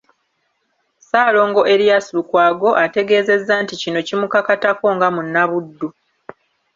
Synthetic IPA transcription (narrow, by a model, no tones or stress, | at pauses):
saːlo̞ːŋɡo̞ʔe̞ɾijasilukwaːɡo̞ʔate̞ɡe̞ːze̞zːaːnticino̞cimukakatako̞ŋɡamunːaβudːu